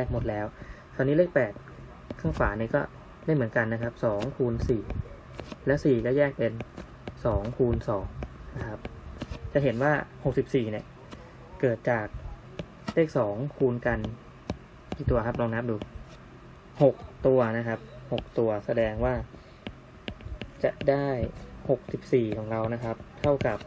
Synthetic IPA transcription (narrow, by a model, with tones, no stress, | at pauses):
jɛː˥˩k̚mo˨˩t̪̚lɛː˦˥w | t̪ʰaː˧niː˦˥leː˥˩k̚pɛː˨˩t̪̚ | kʰaː˥˩ŋfaː˩˦ni˧˥˩kɔː˥˩ | daː˥˩jmɯ˩˦ənka˧nːa˦˥kʰa˦˥p̚sɔː˩˦ŋkʰuː˧nsiː˨˩ | lɛ˦˥wsiː˨˩kɔː˥˩jɛː˥˩k̚pe˧n | sɔː˩˦ŋkʰuː˧nsɔː˩˦ŋna˦˥kʰa˦˥p̚t͡ɕa˨˩ɦe˩˦nwaː˥˩ho˨˩k̚si˨˩p̚siː˨˩ni˧˩ə | kɤː˨˩t̪̚t͡ɕaː˨˩k̚ | leː˥˩k̚sɔː˩˦ŋkʰuː˧nka˧n | kiː˨˩t̪u˧ɐkʰa˦˥p̚ɾɔː˧ŋna˦˥p̚duː˧ | ho˨˩k̚t̪u˧ɐna˦˥kʰa˦˥p̚ho˨˩k̚t̪u˧ɐsa˧dɛː˧ŋwaː˥˩ | t͡ɕa˨˩ʔdaː˥˩jho˨˩k̚si˨˩p̚siː˨˩kʰɔː˩˦ŋɾa˧wna˦˥kʰa˦˥p̚t̪ʰa˥˩wka˨˩p̚